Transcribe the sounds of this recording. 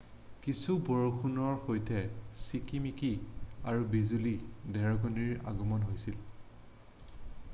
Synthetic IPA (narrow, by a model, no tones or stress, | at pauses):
kisubɔɹoxʰunɔɹxojtʰɛsikimikiaɹubizulidɛɹɔɡɔniɹa̰ɡɔmɔnɦojsil